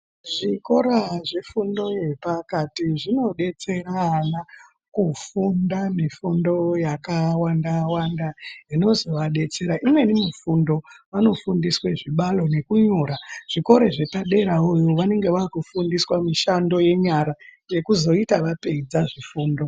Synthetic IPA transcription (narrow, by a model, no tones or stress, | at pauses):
ʐiko̞ɾaʐefundo̞je̞pakatiʐino̞ɗe̞t͡se̞ɾana | kufundamifundo̞jakawandawandaino̞zo̞ʋaɗe̞t͡se̞ɾaʔimwe̞nimifundo̞ʋano̞fundisweʐiɓalo̞ne̞kuɲoːɾaʐ̥iko̞ɾe̞ʐe̞paɗe̞ɾaojoʋane̞ŋɡe̞ʋaːkufundiswamiʃando̞je̞ɲaɾa | je̞kuzo̞itaʋape̞id͡zaʐifuːndo̞